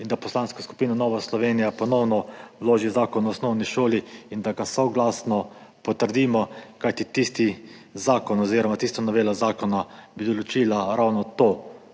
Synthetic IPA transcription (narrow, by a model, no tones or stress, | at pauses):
ind̪apɔslaːnskɔsku̥piːnɔnɔːʋaslɔʋeːnijapɔnɔwnɔloːʒizaːkɔnːsnɔwniʃoːliind̪aɡasɔwɡlasnɔpɔt̪əɾd̪iːmɔkajt̪it̪ist̪izaːkɔnɔziːɾɔmat̪ist̪anɔʋeːlazaːkɔnabid̪ɔlɔt͡ʃiːlaɾawnɔt̪oː